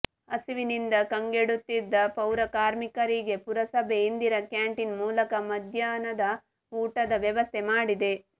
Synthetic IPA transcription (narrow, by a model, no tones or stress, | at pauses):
ɐsiʋinind̪ɐkɐŋɡeɽut̪ːid̪ːɐpɐwɾɐkaːɾmikɐɾiɡe̞puɾɐsɐbeind̪iɾɐkjaːɳʈinmuːlɐkɐmɐd̪ʱjaːnɐd̪ɐ | uːʈɐd̪ɐʋjɐʋɐst̪ʰemaːɽid̪e̞